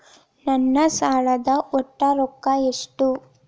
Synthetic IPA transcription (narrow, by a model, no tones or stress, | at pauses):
nɐnːɐsaːɭɐd̪ɐʔɔʈːɐɾokːɐeʂʈu